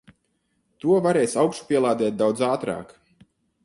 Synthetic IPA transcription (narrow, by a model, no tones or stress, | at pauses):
t̪uɔvaɾɛːsawkʃu̥pʲiɛlˠaːd̪ɛːt̪̚d̪awd̪zaːt̪ɾa̰ːk